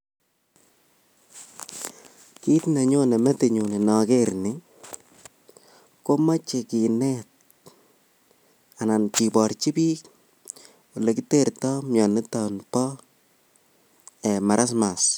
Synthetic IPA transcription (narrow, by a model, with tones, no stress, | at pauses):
ki˦tna˨ɲo˦nɛ˨mɛ˦te˨ɲu˨ni˨nɔ˨keɾni˦ | ko˦ma˦t͡ʃe˨ki˨nɛt̚ | a˨na˨nki˨pɔ˨rt͡ʃi˦piː˦k | wo˨lekite˦˨rtɔ˦mɲɔ˨ni˦ta˨npɔ˦ | ɛma˨ɾʔa˦s̬mas